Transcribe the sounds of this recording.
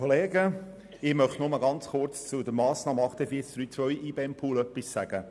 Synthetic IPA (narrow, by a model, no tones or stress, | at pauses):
oleːɡə | ɪmœχtnʊməɡɑnt͡sχʊrt͡st͡sʊd̪əɾmɑːsnɑːməɑχt̪ɛfiːt͡sd̥ɾyːt͡sʋœjiːbeɛmpʰuːlœpːissæɡ̥ə